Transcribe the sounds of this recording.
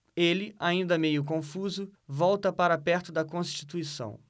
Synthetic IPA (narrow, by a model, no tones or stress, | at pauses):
elɪʔaĩnd̪ɐmejʊkõfuzʊvɔwt̪ɐpaɾɐpɛɾt̪ʊd̪ɐkõst͡ʃi̥t̪uisɐ̰̃w̃